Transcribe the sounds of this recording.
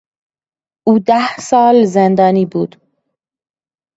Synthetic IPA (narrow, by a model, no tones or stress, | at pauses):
ʔuːd̪æhsɒːlzend̪ɒːniːbuːd̪̥